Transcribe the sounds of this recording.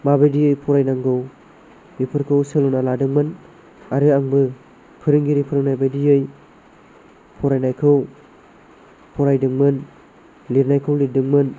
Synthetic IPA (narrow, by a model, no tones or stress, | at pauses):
mabajdijɯjpʰɔɾajnaŋɡɯw | ɾipʰɯɾkʰɯwsɯlunaladɯŋmɯn | aɾɯaŋbɯ | pʰɯɾɯŋɡiɾipʰɯɾɯŋnajbajdijɯj | pʰɔɾajnajkʰɯw | pʰɔɾajdɯŋmɯn | liɾnajkʰɯwlidɯŋmɯn